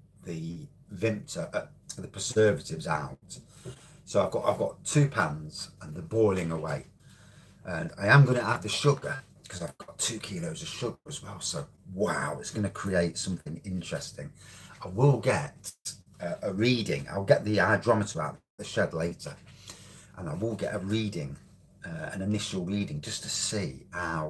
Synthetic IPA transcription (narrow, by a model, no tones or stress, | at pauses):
ðə | vɪ̃mp̚tʰəʔðəpʰəzɜːvətɪvza̰ʊt | soʊaɪvɡʔa̰ɪvɡɒ̰tʰʉːpʰãnz̥ə̃nðəbɔɪlˠɪ̃ŋəweɪ | ʔə̃na̰ɪə̃mɡʌ̃ñəad̚ðəʃʊɡə | kʰɒzaɪvɡ̥ɒtʰʉːkʰiːloʊzəv̥ʃʊɡə˞əzwɛlˠsoʊ | waʊɪtsɡ̥ʌnəkʰɹ̥ieɪtsʌ̃mθɪ̃ŋɪ̃nt͡ʃɹ̥ɛstɪ̃ŋaɪwɪlˠɡɛt | əʔəɹiːdɪ̰̃ŋa̰ɪwlˠɡɛʔðiaɪdɹɒmətʰəɹaʊʔʔðəʃɛdˡleɪtə | ʔə̃naɪwɪlˠɡɛ̰tʔəɹiːdɪ̃ŋ | ʌə̰̃nɪnɪʃl̩ˠɹiːdɪ̃ŋd͡ʒʌstʰəsiːaʊ